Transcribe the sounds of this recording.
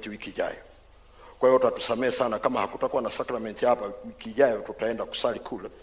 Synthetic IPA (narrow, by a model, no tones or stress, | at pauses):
tiwikiːʄa̰jɔ | kwahivɔtatu̥samɛasanakamahakutakuwanasakɾamɛntihapawikiːʄajɔtutaɛndaku̥salikʰulɛ